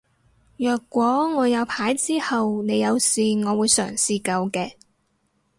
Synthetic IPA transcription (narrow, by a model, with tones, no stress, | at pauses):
jœː˨kːʷɔː˨˥ŋɔː˨˧jɐ˨˧wpʰaː˨˥jt͡siː˥hɐ˨wne˨˧jɐ˨˧wsiː˨ŋɔː˨˧wuː˨˧jsœ̰ː˨˩ŋsiː˨kɐ˧wkɛː˧